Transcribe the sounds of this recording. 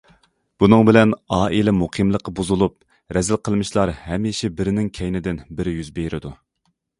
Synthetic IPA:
b̥unɨŋbɪlɛnɑːʔilɛmuqʰimlˠəqːɑbuzulˠup̚ | ɾɛzɪlqʰəlˠmɨʃlˠɑɾhɛmiʃɛbɪɾɪnɪŋkʲʰɛjnɪd̪ɪnbɪɾjyzbeɾɪd̪u

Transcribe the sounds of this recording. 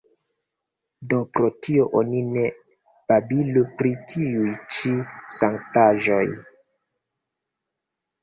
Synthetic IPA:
dopɾotio̞ʔonine | b̥abilupɾitʰiujt͡ʃisaŋtaʒo̞j

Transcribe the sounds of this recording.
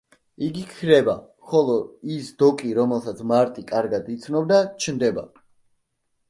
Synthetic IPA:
iɡikʰɾɛba | χɔlˠɔisd̪ɔkʼiɾɔmɛlˠsat̪sʰmaɾt̪ʼikʼaɾɡad̪it̪sʰnɔb̚d̪at͡ʃʰnd̪ɛba̰

